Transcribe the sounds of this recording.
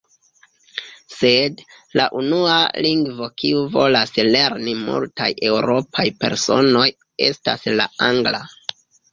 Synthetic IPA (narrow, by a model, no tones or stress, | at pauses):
se̞d | laʔunua̰liŋɡvo̞kiuvo̞lasle̞ɾnimṵltajʔe̞wɾo̞pʰajpe̞̰ɾso̞̰no̞j | e̞̰sta̰slaaŋɡla